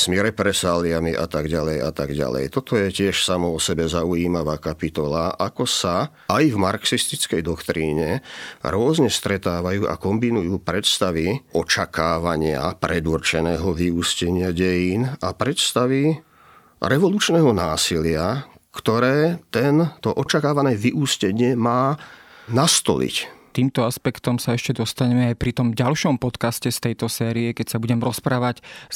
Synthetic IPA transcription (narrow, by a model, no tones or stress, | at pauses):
z̥miɾɛpɾɛsaːliamiʔa̰t̪aɡɟalɛja̰t̪aɡɟa̰lɛ̰jt̪ɔt̪ɔjɛcɪɛʃsamɔɔsɛbɛzauiːmaʋaːkapit̪ɔlaʔakɔsa | ajvmaɾksist̪it͡skɛjd̪ɔkt̪ɾiːɲɛɾʊɔzɲɛst̪ɾɛt̪aːʋajuːʔa̰kɔmbinujuːpɾɛt̪st̪aʋiʔɔt͡ʃakaːʋaɲɪa̰pɾɛd̪urt͡ʃɛnɛːɦɔʋiuscɛɲɪaɟɛjiːnapɾɛt̪st̪aʋi | ɾɛʋɔluːt͡ʃnɛːɦɔnaːsilɪa | kt̪ɔɾɛːt̪ɛnt̪ɔʔɔt͡ʃakaːʋanɛːʋiʔuːscɛɲɪɛmaːnast̪ɔ̰lḭct̪iːmt̪ɔaspɛkt̪ɔmsaɛʃcɛd̪ɔst̪aɲɛmɛajpɾit̪ɔmɟalʃɔmpɔt̪kascɛst̪ɛjt̪ɔsɛːɾiɛkɛcsabuɟɛmɾɔspɾaːʋac